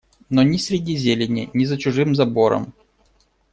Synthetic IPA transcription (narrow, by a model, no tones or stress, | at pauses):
nonʲɪsʲɾʲɪdʲizʲelʲɪnʲɪnʲɪzət͡ɕʊʐɨmzɐbo̞ɾə̰m